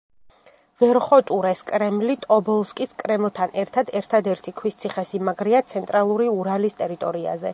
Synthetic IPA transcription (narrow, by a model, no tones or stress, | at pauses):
vɛɾχɔt̪ʼuɾɛskʼɾɛmlit̪ʼɔbɔlˠskʼiskʼɾɛmlˠt̪ʰanʔɛɾt̪ʰad̪ɛɾt̪ʰad̪ɛɾt̪ʰikʰwist̪sʰiχɛsimaɡɾiat̪sʰɛnt̪ʼɾalˠuɾiuɾalist̪ʼɛɾit̪ʼɔɾia̰zɛ